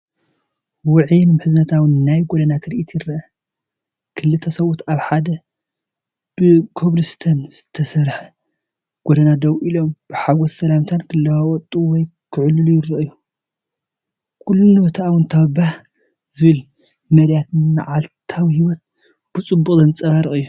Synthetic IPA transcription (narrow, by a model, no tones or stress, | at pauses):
wʊʕjnmħɨzɨnɐt̪ʰawɨnːajɡod̪ɐnat̪ʰɨɾʔit̪ʰjɪɾːɐʔɐ | kʰɨlːɨt̪ʰɐsɐwut̪aβħad̪ɐ | b̥ɨkʰoβlɨst̪ʰɐnz̥ɨt̪ʰɐsɐɾħɐ | ɡ̥od̪ɐnad̪ɐwʔilo̞mb̥ɨħaɡɔssɐlamt̪ʰankʰɨlːɐwawɔt̪ʼuwɔj | kʰɨʕlːulujɪɾːɐʔɨju | kʰulːunɨbɐt̪ʰaʔawɨnt̪ʰaβɐbah | zɨβɨl | mɐɾjat̪nnɨʕalt̪ʰawhiwɔt̪̚ | b̥ɨt͡sʼɨbːukʼzɐnɨt͡sʼɐβaɾɨχʼɨjːu